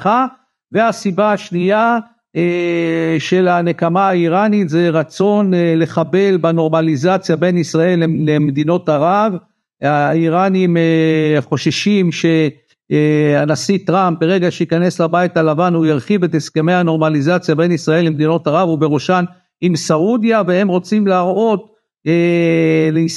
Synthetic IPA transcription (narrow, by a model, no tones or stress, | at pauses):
χa | ve̞asibaaʃnija | e | ʃe̞lane̞kamaaiʁanit̪ze̞ʁat͡so̞nle̞χabe̞lbano̞ʁmalizat͡sjabe̞nisʁae̞lːeːemed̪ino̞taʁav | aiʁanimeχo̞ʃeʃimʃe̞ | anasit̪ʁamp̚beʁe̞ɡaʃeikane̞slabaitalavanujaʁχivet̪eske̞me̞jhano̞ʁmalizat͡sjabe̞nisʁae̞lːemed̪ino̞taʁavube̞ʁuʃan | imsaudjavee̞mʁo̞t͡simlaaʁo̞t̪ | elei